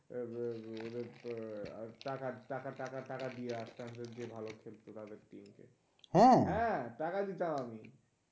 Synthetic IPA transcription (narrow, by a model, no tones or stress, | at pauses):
od̪eɾ | ʈakaʈakaʈakaʈakad̪ieaʃʈandeɾd͡ʑebʱalokʰelt̪ot̪ad̪eɾʈimkḛ | hɛ̃ɦɛ̃ʈakad̪it̪amami